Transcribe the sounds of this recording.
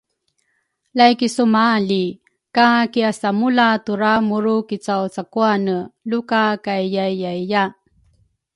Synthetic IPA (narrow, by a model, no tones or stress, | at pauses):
lajkisumali | kakiasamulatuɾamuɾukit͡sawt͡sakuanəlukakajjajjajja